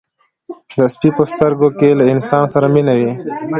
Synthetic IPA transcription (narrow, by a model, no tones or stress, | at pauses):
d̪əspipəst̪əɾɡokelaɪnsɑːnsaɾaminawi